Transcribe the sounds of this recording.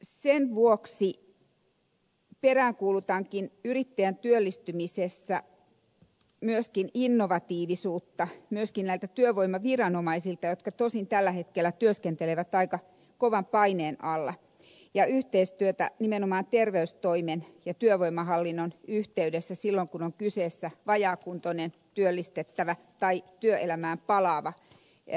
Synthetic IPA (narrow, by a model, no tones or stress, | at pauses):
senʋuoksi | peræːŋkuːlut̪ɑːŋkinyrit̪ːejænt̪yølːist̪ymisesːæ | myøskininːoʋɑt̪iːʋisuːt̪ːɑmyøskinnæilt̪æt̪yøʋoimˑɑʋirɑnomɑisilt̪ɑjot̪kɑt̪osint̪ælːæhet̪kelːˑæt̪yøskent̪eleʋæt̪ɑikɑ | koʋɑmpɑineːnɑlːɑ | jɑʔyht̪eist̪yøt̪æ̰nimenomɑːnt̪erʋeyst̪oimenjɑt̪yøʋoimɑhɑlːinːonyht̪eydesːæsilːoŋkunoŋkyseːsːæʋɑjɑːkunt̪onent̪yølːist̪et̪ːæʋæ | t̪ɑit̪yøʔelæmæːmpɑlɑːʋɑ